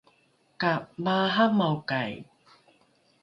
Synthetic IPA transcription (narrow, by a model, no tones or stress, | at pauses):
kap̚maːɦamawkaj